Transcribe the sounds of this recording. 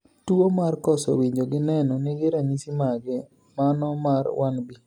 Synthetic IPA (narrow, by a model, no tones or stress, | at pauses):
tuomarkɔsɔ̰wiɲd͡ʒoɡɪnɛnɔniɡɪɾaɲisimaɡɛ | manɔmarwanbi